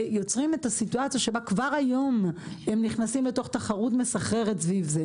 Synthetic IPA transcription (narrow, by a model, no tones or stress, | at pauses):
jo̞t͡sʁime̞tasituat͡sjaʃe̞bakvaʁajo̞mhemniχnasimle̞to̞χt̪aχaʁutme̞saχe̞ʁetsvivze